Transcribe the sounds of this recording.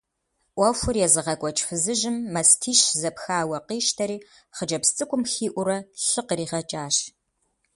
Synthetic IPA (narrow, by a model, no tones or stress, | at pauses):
ʔʷɐfʷʊrjɛzɨʁɐkʷʼɔt͡ʃʼfɨzɨʒɪmːɐstʰiːʃzɐpxaːwɐqiːʃtʰɐɾiː | χəd͡ʒɐpst͡sʼɨkʷʼʊmxiːʔʷʊɾɐɬɨqriːʁɐt͡ʃʼaːɕ